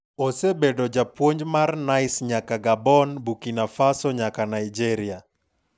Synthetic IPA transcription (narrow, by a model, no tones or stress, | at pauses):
osebɛdɔd͡ʒapwoɲd͡ʒmarnajsɲakaɡabɔnbukinafasɔɲakanaid͡ʒɛɾia